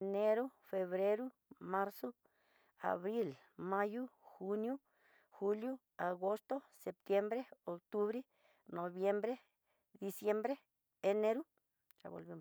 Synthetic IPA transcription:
ne˦ɾu˦fe˧βɾe˦ɾu˦ | ma˦ɾso˦ | a̰˨βɾi˦l | ma˦ju˦xu˧nju˦ | xu˦lju˦ | a˨ɡo˦st̪o˦se˨p̚t̪je˦mbɾe˦o˨kt̪u˦βɾe˦ | no˨βje˦mbɾe˦ | d̪i˧sje˦mbɾe˦ | e˧ne˦ɾu˦ | a̰˨bo̰˨lbi˦m

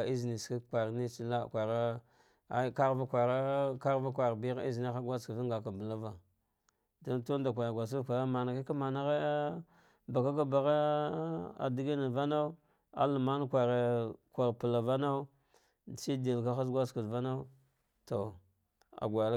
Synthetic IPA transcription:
i˦zni˨ska˦˨kʷa˨ɾni˦t͡ʃi˦la˦˨kʷa˨ɾa˦ | a˦ka˦ɾva˦kʷa˨ɾa˦ka˦ɾva˦kʷa˨ɾbi˦ɾa˦i˦zna˦xa˦ɡʷa˦ska˨va˦ɡa˨ka˨bə˨la˦va˨ | do˦n˦to˦n˦da˨k̬ʷa˨ja˨ɡʷa˨s̬a˦˨kʷa˨a˦ma˨na˨ki˦ka˦ma˨na˦ɣa˦ | ba˨ka˦k̬a˦ba˨ɣa˦ | a̰˨di˦ɡi˦na˨va˦na˦u˦ | a̰˦lu˨ma˦n˦kʷa˨ɾe˨kʷa˨ɾpu˨la˨va˦na˦u˦˨ | t͡ʃi˦di˨lka˦xa˦sɡʷa˦ska˨va˦na˦ | to˨ | a̰˨ɡʷa˨l

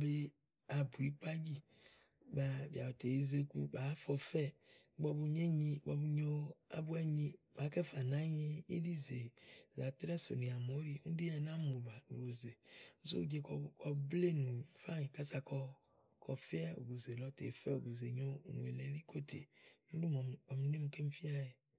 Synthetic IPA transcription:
be˦ | a˨bu˨i˦k͡pa˦d͡ʒi˦ | ba˨bi˨a˨ɔ˨te˨e˨˦ze˦kṵ˦ba˨˦fɔ˧fɛ˦˨˦ɡ͡bɔ˧bu˧ɲe˦ɲĩ˧ɡ͡bɔ˧bu˧ɲo˦a̰˦bu˦ɛ˦ɲĩ˧ma˨˦kɛ˦fa˨nã˦ɲi˦ḭ˦li˦ze˨za˨t̪ɾɛ˦so̰˨nĩ˨a˨mo˨˦ɾi˦ŋũ˦de˦ɛ˨nã˦mo˨ba˨nṵ˨ɡo˨ze˨nu˦sṵ˦d͡ʒe˦kɔ˨kɔ˦ble˦nũ˨fa˦ɲĩ˨ka˦sa˨kɔ˦ | kʰɔ˨fi˦ɛ˦o̰˨ɡo˨ze˨lɔ˨˦t̪ḛ˨fɛ˦o˨ɡo˨ze˨ɲo̰˦˨nṵ̃˨ḛ˨lɛ˨˦ɾi˦ko˦t̪ʰḛ˨ŋu˦lu˦mɔ˨ɔ˨m˨˦ne˦mũ˨ke˦m̩˦fi˦a˦je˨

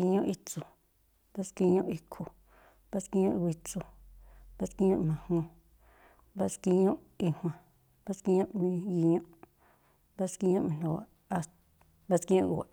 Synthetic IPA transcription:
i˧ɲõ˦ʔi˧t͡su˨ | ba˦ski˧ɲõ˦ʔi˧kʰu˨ | ba˦ski˧˦ɲõ˦ʔi˧wi˧t͡su˧˨ba˦ski˧˦ɲõ˦ʔmã˨hõ˧ | ba˦ski˧ɲõ˦ʔ | i˧hw̃ã˧˨ | ba˦ski˧ɲõ˦ʔmĩ˧ji˧ɲõ˦ʔ | ba˦ski˧˦ɲõ˦ʔmĩ˧no˨a̰˨ | a˧ | ba˦ski˧˦ɲõ˦ʔwa̰˨ʔ

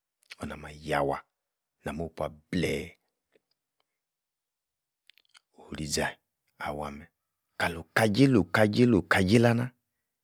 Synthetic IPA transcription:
ɔ˨na˨ma˨ja˨wa˨ | na˨mo˦˨pa˨blɛ˦˨ | o˨hu˨ɾi˨d͡ʒa˨ | a̰˨wa˨mɛ˨ | ka˨lo˨ka˨d͡ʒi˦lo˨ka˨d͡ʒi˦lo˨ka˨d͡ʒi˦la˦na˦

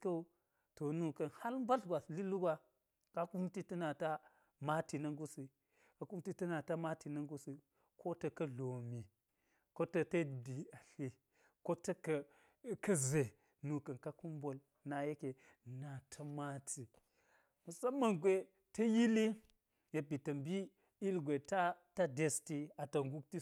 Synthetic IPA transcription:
kɐ˦ | to˨nu˦kɐ˨nha˦lm˦ba˦ɬɡʷa˨sli˦lu˦ɡwa˦ | ka˦ku˦mti˦tɐ˦na˨ta˦ | ma˦ti˨nɐ˦ŋɡu˦si˨ | ka˨ku˦mti˦tɐ˦na˨ta˦ma˦ti˨nɐ˦ŋɡu˦si˨ | kʰo˦tɐ˨kɐ˦ɮo˨mi˨ | ko˦tɐ˦tɐ˦di˨a˨ɬi˦ | ko˦tɐ˦kɐ˨ | kɐ˦ze˨ | nu˨kɐ˨nka˦ku˦mbo˦l | na˨je˦ke˨ | na˨tʰɐ˦ma˦tʰi˨ | mɐ˨sɐ˦mːɐ˨ŋɡʷe˨ | tɐ˦ji˦li˦ | je˨bi˨tɐ˨mbi˦ | i˦lɡʷe˨ta˦ta˦de˨sti˦a˨tɐ˨ŋɡu˦k̚ti˦

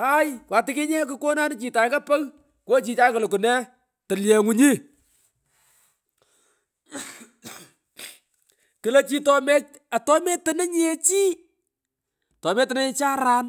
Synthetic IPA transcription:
a˦jkwa˨tɪ˦kɪ˦ɲɛ˦k̬ʊ˦ko˦na˦n˦t͡ʃi˨ta˨˦kɐ˦pɛ˦ɣ | ko˦t͡ʃi˨t͡ʃa˦kɐ˨lʊ˨ku˨nɛ˦ | tɐ˨ljɛ˨ŋu˨ɲi˦ | kɪ˨le˦t͡ʃi˦tɔ˨mɛ˦ | a˨tɔ˦mɛ˦tə˨nɛ˦ɲ˦ɛ˦t͡ʃiː˦ | tɔ˨mɛ˦tɪ˨nɛ˦ɲɛ˨t͡ʃaː˦ɾa˦n

